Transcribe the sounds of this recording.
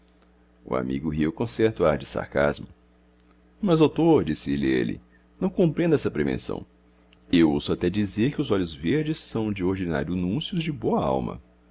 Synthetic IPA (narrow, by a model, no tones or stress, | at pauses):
ʊ̰a̰mḭɡʊɦiwkõsɛɾt̪ʊaɾd͡ʒɪsa̰ɾka̰zmʊ | mɐzd̪owt̪oɾd͡ʒisɪeliḛlɪ̰ | nɐ̃w̃kõpɾẽnd̪ʊɛsɐpɾevḛ̃sɐ̰̃w̃ | ewowsʊat̪ɛd͡ʒizeɾkɪʊzɔʎʊzveɾd͡ʒɪsːɐ̃w̃d͡ʒɪoɾd͡ʒina̰ɾjʊnũsjʊzd͡ʒɪboɐa̰wmɐ̰